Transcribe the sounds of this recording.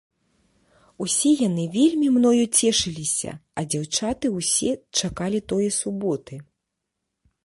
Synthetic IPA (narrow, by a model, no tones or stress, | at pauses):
usʲɛjanɨvʲelʲmʲimnɔjut͡sʲɛʂɨlʲisʲɐ̰ɐd͡zʲawt͡ʂat̪ɨuwsʲɛt͡ʂakalʲit̪ɔjɛsubɔt̪ɨ